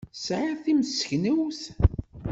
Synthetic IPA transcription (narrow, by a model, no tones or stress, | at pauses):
sʕaθiməsə̥çnəwθ